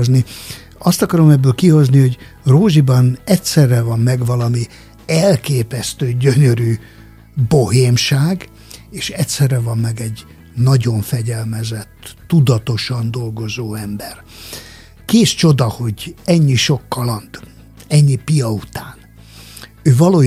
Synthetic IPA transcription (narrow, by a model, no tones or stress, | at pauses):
zni | ɒst̪ɒkɒɾo̞mɛbːøːlkiho̞zniho̞ɟ | roːʒibɒnɛtsɛrːɛvɒmːɛɡvɒlɒmi | ɛlkeːpɛst̪øːɟøɲøɾy | bo̞heːmʃaːɡ | eːʃɛcʲsɛrːɛvɒmːɛɡɛɟ | nɒɟo̞ɱfɛɟɛlmɛzɛt̪ːud̪ɒt̪o̞ʃɒnd̪o̞lɡo̞zoːɛmbɛr | keːst͡ʃo̞d̪ɒho̞ɟɛɲːiʃo̞kːɒlɒnt̪ | ɛɲːipijɒut̪aːn | øːvɒloː